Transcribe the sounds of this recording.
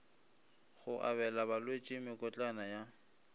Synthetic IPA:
ɣʊʔa̰βɛlaβalwet͡ʃʼɪmɪkʼɔt͡ɬʼanaja

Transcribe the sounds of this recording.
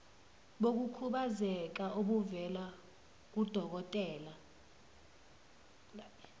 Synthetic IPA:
ɓok̬ukʰuɓazɛk̬aʔoɓuvɛla | k̬ud̥ʱɔk̬ɔtʼɛːla

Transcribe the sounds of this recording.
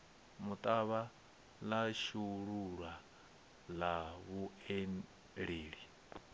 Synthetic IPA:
mut̪ʼaβa | laʃuɺuɺwa | laβuɛn | ɺeːɺi

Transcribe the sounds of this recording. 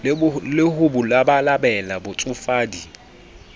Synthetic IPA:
lɪhʊbʊlabalabɛlabʊt͡sʼʊfaːdi

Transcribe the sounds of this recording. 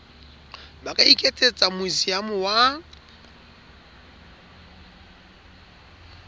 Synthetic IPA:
bakʼaikʼetʼet͡sʼamʊizijamʊwa

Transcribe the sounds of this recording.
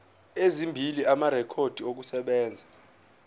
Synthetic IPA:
ezimbʱiliamaɾɛkʰod̥ʱiok̬usɛɓɛːnd͡zʱa

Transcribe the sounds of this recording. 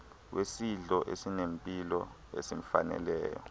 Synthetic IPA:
wʔesiɮɔʔesinempʼilɔ | ḛsim̩fanɛ̰lɛ̰ːjɔ̰

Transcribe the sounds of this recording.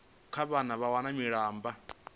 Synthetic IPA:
kʰaβanaβawanamiɺaːmba

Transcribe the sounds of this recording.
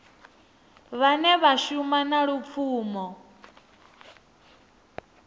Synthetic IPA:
βanɛβaʃumanaɺup̪fʰuːmɔ

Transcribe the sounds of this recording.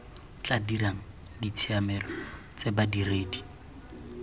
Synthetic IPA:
t͡ɬadiraŋ̩ | dit͡sʰiamɛlɔ | t͡sebadireːdi̥

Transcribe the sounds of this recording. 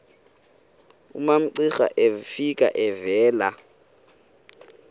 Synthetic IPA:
ṵmam̩ǀixa̰ʔefikʼa̰ʔɛvɛːla

